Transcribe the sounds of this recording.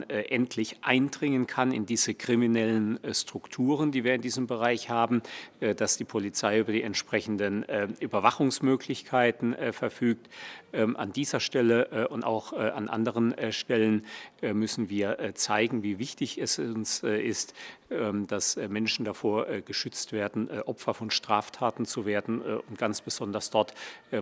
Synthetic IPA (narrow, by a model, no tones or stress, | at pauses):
ʔɛntʰlɪçʔaɪndʁɪŋənkʰanɪ̰ndiːzəkʁ̥iminɛlənstʁ̥ʊktʰuːʁəndiːviːɐɪndiːzəmbəʁaɪçhaːbm̩ʔd̥asd̥iːpʰolit͡saɪʔyːbɐdiːɛntʃpʁ̥ɛçn̩dənːʔyːbɐvaχʊŋsmøːkʰlɪçkʰaɪtn̩fɛɐfyːk̚tʔɛːʔa̰ndiːzɐʃtɛləʔʔʊnta̰ʊxʔa̰nʔa̰ndəʁ̞ənʃtɛlənɛmʏsn̩viːɐʔt͡saɪɡŋ̩viːvɪçtɪçɛsʊnsʔɪstɛd̥asmɛnʃn̩dafoːɐʔɡəʃʏt͡stv̥eːɐdn̩ʔɔpfɐfɔnʃtʁ̥aːftʰaːtn̩t͡suveːɐdn̩ʊnt̚ɡ̥ant͡sb̥əz̥ɔndɐsd̥ɔɐtː